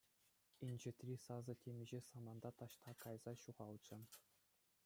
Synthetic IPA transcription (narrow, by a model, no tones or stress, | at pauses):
inʲd͡ʑĕt̪ʲrʲisɑzɤ̆tʲemʲiʑesɑmɑnd̪ɑt̪ɑɕt̪ʰɑkɑjz̥ɑɕuʁɑlˠt͡ɕɤ̆